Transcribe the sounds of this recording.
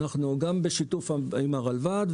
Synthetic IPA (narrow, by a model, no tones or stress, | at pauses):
aχnuɡambe̞ʃitufimaʁalvad̪